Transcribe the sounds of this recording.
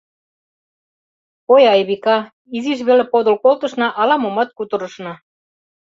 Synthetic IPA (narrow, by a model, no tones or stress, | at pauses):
ojɑjβikɑ | iziʃ̬βelepod̪ə̆lkolt̪ɤ̆ʃnɑʔɑlɑmomɑt̪̚kut̪ɤ̆ɾɤ̆ʃnɑ